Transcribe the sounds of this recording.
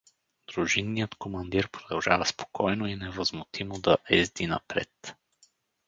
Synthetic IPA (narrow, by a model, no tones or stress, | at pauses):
d̪ɾuʒinːijət̪komɐnd̪iɾpɾod̪ɐlˠʒavɐspo̥kʰɔjnoinɛvəzmʊt̪ʰimod̪ɐʔɛzd̪inɐ̰pɾɛ̰t̪